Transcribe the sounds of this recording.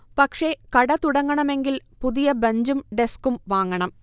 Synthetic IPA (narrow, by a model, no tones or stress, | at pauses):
pɐkʂe̞kɐɽɐt̪uɽɐŋːɐɳɐme̞ŋɡilpuðijɐbɐɲd͡ʑumɖeskumʋaːŋːɐɳɐm